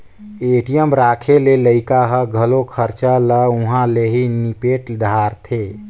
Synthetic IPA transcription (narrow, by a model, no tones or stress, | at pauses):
eʈijəmɾakʰeleləɪkaɦəɡʱəlokʰəɾt͡ʃaləũɦãleɦinipeʈd̪ʱaɾt̪ʰe